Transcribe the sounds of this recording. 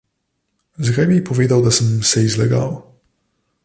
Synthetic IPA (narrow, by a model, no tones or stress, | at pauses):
zaɡɛbʲipɔvʲjed̪awd̪asɛmsɛizlɛɡa̰w